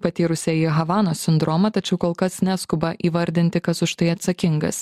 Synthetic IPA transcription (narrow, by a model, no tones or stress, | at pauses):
pɐt̪ʲiːɾʊsʲɛiɦɐʋɑːnoːsʲɪnd̪ɾomɐt̪ɐt͡ʃʲɛʊkoːlˠkɐsnʲæːskʊbɐʔiːʋɐɾʲd̪ʲɪnʲt̪ʲɪkɐsʊʃt̪ɐɪɐt̪sɐkʲɪŋɡɐ̰s